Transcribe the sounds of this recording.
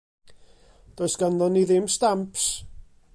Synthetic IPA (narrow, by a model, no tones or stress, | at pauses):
d̥ojsɡ̥anðɔnːiðɪmstampʰs